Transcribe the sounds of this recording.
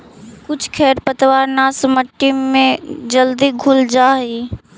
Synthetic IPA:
kʊt͡ʃʰkʰɛːɾpət̪ʋaːɾnaːsməʈːimːẽd͡ʒəld̪iɡʱʊld͡ʒaːɦiː

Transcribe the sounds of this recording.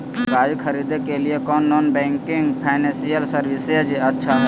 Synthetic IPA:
ɡaːjukʰəɾiːd̪ekelɪekɔːnːɔːnbɛ̃ːŋkɪŋɡpʰaːnɛ̃ːsijəlsəɾʋɪsed͡ʒeɐtːʃʰaɦɛ

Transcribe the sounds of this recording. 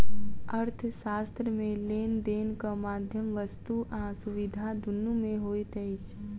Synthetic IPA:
əɾt̪ʰʃaːst̪ɾəmẽleːnd̪eːnkamaːd̪ʱjəmʋəst̪uʔãːsʊʋɪd̪ʱad̪ʱʊnːumẽɦoːit̪ɛt͡ʃʰ

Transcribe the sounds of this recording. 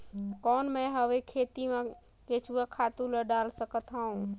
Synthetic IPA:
kɔnməɦəʋekʰet̪imẽ | ket͡ʃʰuakʰat̪uləɖalsəkət̪ɦãũ

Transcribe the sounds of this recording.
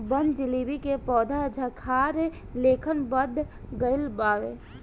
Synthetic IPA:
bənd͡ʒilibikepɔːd̪ʱad͡ʒʱəkʰaːɾe | leːkʰənbəd̪ʱ | ɡəɪlbaːʋe

